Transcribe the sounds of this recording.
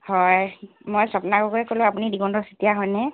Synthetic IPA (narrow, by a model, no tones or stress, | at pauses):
hɔj | mojsɔpnaɡɔkɔɹɛkolʊ̃apunidiɡɔndɔsitijaɦɔjnɛ